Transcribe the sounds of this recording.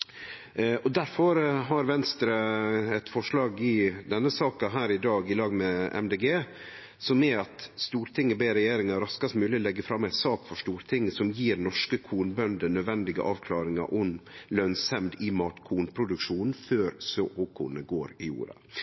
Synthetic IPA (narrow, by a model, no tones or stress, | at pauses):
ɔd̪æɾfɔɾɦɑɾʋɛnst̪ɾəɛt̪fɔʂlɑːɡɪd̪ɛnːəsɑːkɑɦæːɾɪd̪ɑːɡɪlɑːɡmɛɛ̰md̪eːɡeː | sɔmɛɑt̪st̪uːɾt̪ʰɪŋːəbeːɾɛjeːɾɪŋɑɾɑskɑst̪mʉːlɪɔlɛɡːəfɾɑmːæɪsɑːkfɔʂt̪uːɾt̪ʰɪŋːəsɔmjiːɾnɔʂkəkʰuːnbœnd̪ənœd̪ʋɛnd̪ɪɡə̰ʔɑːʋkʰlɑːɾɪŋɑ̰ɾʔɔmlœnsɛmd̪ɪmɑːt̪kʰuːnpʰɾʊd̪ʉkʂuːn̩føːɾsøːhoːkʰṵːnəɡoːɾɪjṵːɾɑ̰